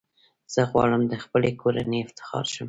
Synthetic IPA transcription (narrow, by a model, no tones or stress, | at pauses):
z̥əɣwɑ̰ɽəmd̪əxpəlekʰoɾa̰neɪft̪ɪ̥xɑ̰ɾʃəm